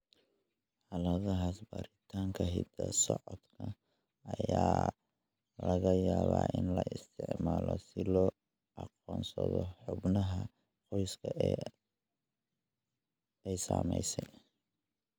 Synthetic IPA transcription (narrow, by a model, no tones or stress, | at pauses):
ħɑlɐðɐɦaːsbaːɾɪt̪ʰaːŋkʰɐɦid̪ɐsɔʕɔd̪̥kʰɐ | ɐjaː | lɐɣɐjaːβaːʔɪnlɐʔɪst̪ʰɪʕmaːlɔsɪlɔː | ʔɑqɔːnsɐðɔħʊbnɐɦɐ | qɔjskʰɐʔɛ | ɛjsaːmɛjsɛj